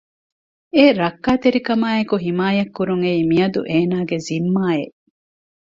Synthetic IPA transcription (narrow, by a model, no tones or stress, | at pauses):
eɾɐkːaːt̪eɾikɐmaːekuɦimaːjɐkːuɾuŋeiːmiɐd̪ṵʔeːnaːɡezimːaːeʔ